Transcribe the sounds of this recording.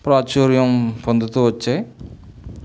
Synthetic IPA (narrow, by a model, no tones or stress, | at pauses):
pɾaːt͡ʃuːɾjɐmpond̪ut̪uʋɐt͡ʃːe